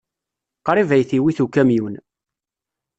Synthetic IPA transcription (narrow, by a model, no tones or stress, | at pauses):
qɾˤivæjθiwiθukːæmjun